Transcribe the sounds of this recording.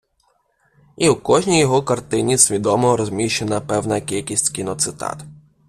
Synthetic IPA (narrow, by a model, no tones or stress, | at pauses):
iwkɔʒnʲijɔɦɔkɐrt̪ɪnʲisʲʋʲid̪ɔmɔɾɔzʲmʲiʃt͡ʃenɐpɛwnɐkʲilʲkʲisʲtʲkʲinɔt̪sɪt̪ɑ̰t̪